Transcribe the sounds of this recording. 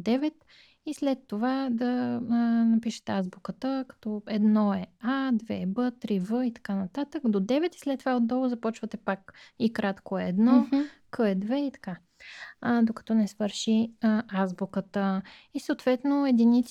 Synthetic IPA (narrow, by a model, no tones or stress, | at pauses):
d̪ɛvɛt̪ | islɛt̪ːovad̪ɐ | nɐpiʃɛ̥t̪ɛazbukət̪əkɐ̥t̪ɔɛd̪nɔɛad̪vɛ̰bɤt̪ɾivəit̪ɐ̥kanɐt̪at̪əkd̪od̪ɛvɛt̪i̥slɛt̪ːovaod̪d̪ɔvʊzɐpɔt͡ʃvət̪ɛpakikɾat̪koɛɛd̪nɔkɤɛd̪vɛit̪ɐ̥ka | d̪okɐ̥t̪ɔnɛsvəɾʃiazbukət̪ə | isoːt̪vɛt̪noɛd̪init̪s